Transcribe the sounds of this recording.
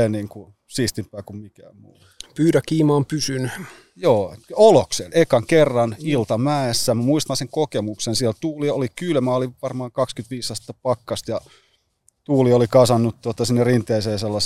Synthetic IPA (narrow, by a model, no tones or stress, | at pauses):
eniːŋku | siːst̪impːæːkummikæːmmṵː | pyːtækiːmɑːmpysyny | joːoloksḛnekɑŋkerːɑnilt̪ɑmæːsːæmæmuist̪ɑnseŋkokemuksensiælt̪uːliolikylmæoliʋɑrmɑːŋkɑkskyt̪ʋiːsːɑst̪ːɑpɑkːɑst̪jɑ | t̪uːliolikɑsɑnːut̪t̪uot̪ɑsinːerint̪ˑeiseːselːɑs